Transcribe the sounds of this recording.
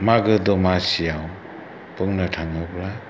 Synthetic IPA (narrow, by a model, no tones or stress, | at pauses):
maɡɯd̪ɔmasijaw | pɯŋnatʰaŋɯbla